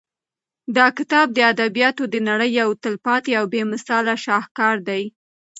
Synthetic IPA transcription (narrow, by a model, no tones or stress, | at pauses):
d̪ɑkɪt̪ɑb̚d̪əad̪abijɑt̪od̪ənaɽəjawt̪ɪlpɑt̪eawbemɪsɑlaʃɑhkɑɾd̪aj